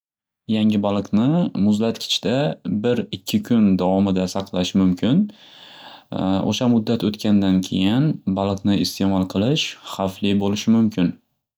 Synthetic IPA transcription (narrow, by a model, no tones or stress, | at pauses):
jaŋɪbalˠɨqnɪmʊzlat̪kʲʰɪ̥t͡ʃd̪abɪɾɪkʲʰːɪkʲʰʊnd̪avɒmɪd̪asɑqlˠaʃɪmʊmkʰʲɪn | o̰ʃamʊd̪ːat̪ʰot̪kʲʰand̪ankʲʰe̞jɪnbalˠɨqnɪɪst̪ʰe̞mɒlˠqʰɨlˠɪʃχaflibolɪʃɪmʊmkʲʰɪn